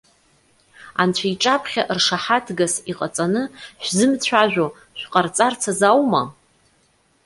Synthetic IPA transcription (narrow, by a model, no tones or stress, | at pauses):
a̰nt͡ɕʷʰaiʈ͡ʂʼapʰχʲaʔrʂaħatʰɡasiqʼat͡sʼanɨʃʷᶣzɨmt͡sʷʰaʒᶣʷo | ʃʷᶣqʼart͡sʼart͡sʰazawma